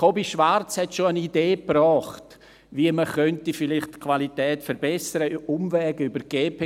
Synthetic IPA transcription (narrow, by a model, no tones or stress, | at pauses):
obiʃvart͡shɛtʃoənideːprɔːχt | viəməχœntifɪlɪχtkʰvalitɛːtfɛɾbɛsəɾəʊmvɛːɡ̥ybəɾɡ̥eːpe